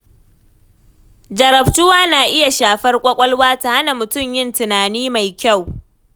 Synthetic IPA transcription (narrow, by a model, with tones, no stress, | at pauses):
d͡ʒɐ˨ɾɐ˨ɸtʊ˦waː˦naː˨ʔɪ˦ja˨ʃaː˨ɸɐ˦rkʷʼɐ˦kʷʼɐ˦lwaː˦ta˨ha˦na˨mʊ˨tʊ˦˨mjɪ˦ntʊ˨naː˨niː˦ma˨jkʲa˦˨w